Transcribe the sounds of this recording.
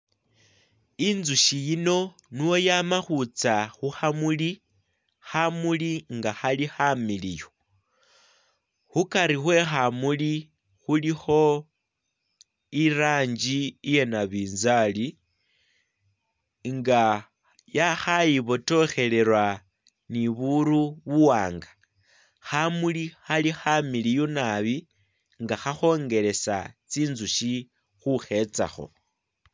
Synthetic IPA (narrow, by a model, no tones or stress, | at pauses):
inzuʃijino̞ | niwo̞jamaxut͡saxuxamuli | xamuliŋɡaxalixamilijo | xukaɾixwe̞xamuli | xulixo̞ | iraːɲd͡ʒiije̞naβiːnzali | ŋɡa | jaxajiβo̞to̞xe̞le̞ɾwa | niβuɾuβuwaːŋɡḁ | xamulixalixamilijunaβi | ŋɡaxaxo̞ŋɡe̞le̞sa̰t͡siːnzuʃi | xuxe̞t͡sa̰xo̞̰